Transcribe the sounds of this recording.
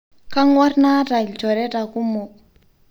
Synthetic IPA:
ka˦ŋwa˦rna˦ta˨lt͡ʃɔ˨ɾɛ˦ta˨ku˦mu˨k̚

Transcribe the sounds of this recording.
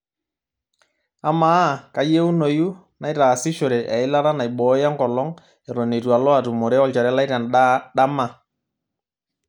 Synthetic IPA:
a˨ma˨˦˨ka˨je˦u˦no˨ju˦ | na˨˦jta˨sɪ˦ʃo˨ɾe˨ʔa˨ɪ˦la˦ɾa˦na˨jɓɔ˨˦ja˦ŋkɔ˨lɔ˦ŋ | e˨ɾɔ˨ne˨twa˨lɔ˦a˨tu˨mo˨ɾɛ˦ɔ˦˨lt͡ʃa˨ɾɛ˦la˦jɾa˨naɗa˦ma˨

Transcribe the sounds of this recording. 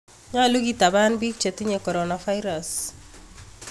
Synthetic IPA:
ɲa˦lu˦ɡi˦ta˨ba˦nbi˦k̚t͡ʃe˨ti˦ɲekɔ˨ɾɔnafa˦ɪɾas

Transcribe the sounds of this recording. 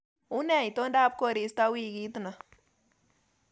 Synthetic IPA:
u˦nɛ˦˨i˨t̪o˦nda˦˨p̚ko˦ɾi˨˦st̪a˦wi˦ki˦t̪una˨

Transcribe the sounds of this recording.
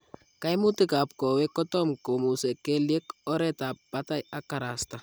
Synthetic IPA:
ka˦jmʊ˦ti˦ka˨p̚kɔ˨we˦kɔ˦tɔ˦mko˨mu˨sɛ˨ke˦lje˦kɔ˦ɾɛ˦ta˨pːata˦ja˦ka˨ɾa˨sta˨

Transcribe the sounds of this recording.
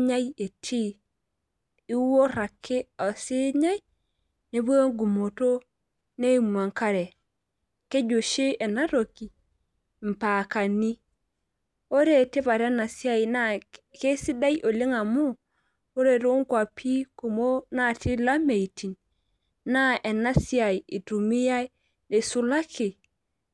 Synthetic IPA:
ɲa˦je˨tʰi˦ | i˦wo˦ɾa˨kʰːe˦a˨si˦ɲa˦j | ne˨bu˦o˦ŋɡu˨mo˨to˦ | ne˦i˨m˨a˨ŋka˦ɾe˨ | ke˦d͡ʒo˨ʃe˦e˨na˦ɾo˨ki˨ | m̩˨pa˨ka˨ni˦ | o˦ɾe˦˨ti˦βa˨ɾe˦na˨si˦a˦i˨na˦ke˦si˦da˦ji˦ʔo˨li˦ŋa˨mu˦ | o˦ɾe˨ɾo˦ŋ˦kwa˨pʰi˦ku˨mo˦na˦˨ti˦la˦me˨i˨ti˨n | na˦e˨na˦si˦a˨i˨i˨tu˨mi˦ja˦i˦ | ne˨su˦la˦ki˨

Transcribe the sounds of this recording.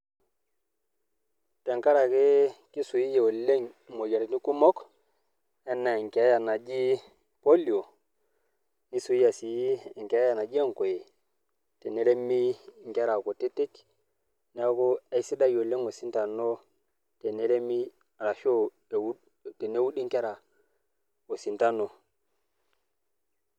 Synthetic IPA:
te˨ŋka˦ɾa˨ke˦ki˦su˨ji˦je˨o˨le˦ŋ | mo˨d͡ʒe˨ɾni˦ku˦mɔ˦k | ɛ˦na˨ŋ˨ke˨˦ja˨na˨d͡ʒi˦ | po˦li˨o˨ | ni˦su˨ji˦ja˨si˨ji˦˨ŋ˨ke˨˦ja˨na˨d͡ʒi˦e˦˨ŋko˨je˨ | te˨ne˨ɾe˦mi˦ŋ˨ke˦ɾa˨ko˨te˦te˦k | n˦a˦ko˦e˦i˦si˦da˦jo˨le˦ŋo˨si˦nta˨no˦ | te˨ne˨ɾe˦mi˦ | a˨ɾa˨ʃo˦˨ | w | te˨ne˦wu˦ɗi˦ŋke˦ɾa˨ | o˨si˨nta˦no˨

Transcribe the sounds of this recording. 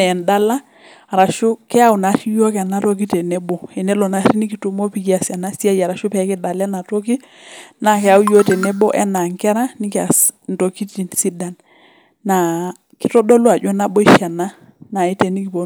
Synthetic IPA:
ɛ˨nda˦la˦˨ | ɾa˨ʃu˦kɛ˦a˦u˨na˨˦ɾi˦jo˦kɛ˨na˦to˦k̬i˦tɛ˨nɛ˦bɔ˨ɛ˨nɛ˦lɔ˨na˦ɾi˦ni˦ki˨tu˦mo˦pi˦ki˦a˨sja˨na˦si˦a˦ja˨ɾa˨ʃu˦pɛ˨˦kɛ˦da˨la˦na˨to˦ki˦ | na˦kɛ˨˦a˦u˦jo˦tɛ˨nɛ˦bɔ̰˦ʔɛ̰˦na˨ŋkɛ˦ɾa˦ni˦ka˨n˨to˨ki˦ti˨nsi˦da˨nː | a˨ | ki˦tɔ˦dɔ˦lu˦a˨d͡ʒɔ˦na˦bɔ˦i˦ʃa˨na˦ | na˨i˦te˨ni˦ki˨po˨

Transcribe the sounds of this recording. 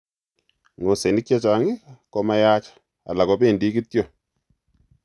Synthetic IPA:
ŋo˨se˨ni˦k̚t͡ʃa˦t͡ʃa˨ŋɪ˦kɔ˦ma˦ja˦t͡ʃḁ˨ | a̰˨la˨kɔ˨˦pe˦˨ndi˦ki˦tjo˦˨

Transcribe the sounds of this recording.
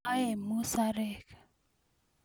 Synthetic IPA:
a˦e˨mu˦sa˦ɾe˨k

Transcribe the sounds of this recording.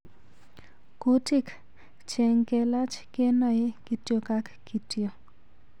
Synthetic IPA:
koti˦k | t͡ʃɛ˨ŋkɛ˧la˦t͡ʃke˦nɔ˨ɪ˦ki˨tjo˨ka˦kːi˨tjo˨

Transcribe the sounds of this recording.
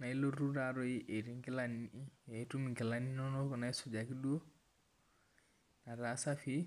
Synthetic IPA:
na˨i˦lo˦ɾu˦ɾa˨ɾɔ˦i˦ʔe˨ɾi˨˦ŋkɪ˦la˨ni˨ʔi˦e˨˦tu˦mi˨ŋkɪ˨la˦ni˦nɔ˦no˦kɔ˨na˨˦jsʊ˨d͡ʒa˨ki˦du˦o˦ | na˨ɾa˨˦sa˦fi˦

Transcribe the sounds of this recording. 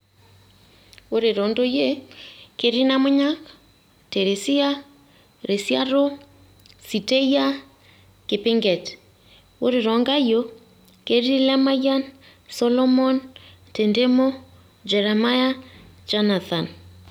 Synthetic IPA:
o˦ɾe˨ɾɔ˨ndo˦je˦ke˦ɾi˦na˦mo˦ɲa˦k | te˨ɾe˨si˦a˦ | ɾe˨sja˦ɾo˦ | si˨te˦ja˦ | ke˨pe˦ŋɡɛ˨t | o˦ɾe˨ɾɔ˨ŋɡa˦jo˦ | ke˦ɾi˦lɛ˦ma˦ja˦n | sɔ˦lɔ˦mɔ˦n | te˨nde˦mo˦ | d͡ʒɛ˨ɾɛ˨ma˦ja˦ | d͡ʒa˦na˨θa˨n

